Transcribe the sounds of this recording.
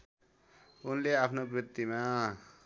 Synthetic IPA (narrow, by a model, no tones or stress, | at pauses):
unleapʰnobrit̪ːima